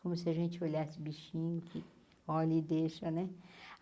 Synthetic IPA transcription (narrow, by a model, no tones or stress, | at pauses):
kõmʊsɪɐʒẽt͡ʃɪolasɪbiʃĩnʊkʰɪ | ɔlid̪eʃɐnɛ